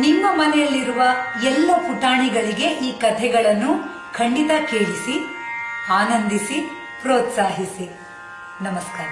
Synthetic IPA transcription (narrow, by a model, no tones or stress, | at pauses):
nimːɐmɐnɛjɐlːiɾuʋɐɛlːɐpuʈaːɳiɡɐɭiɡe̞ʔiːkɐt̪ʰɛɡɐɭɐnːu | kʰɐɳɖit̪ɐkeːɭisi | aːnɐnd̪isi | pɾoːt̪saːɦisi | nɐmɐskaːɾɐ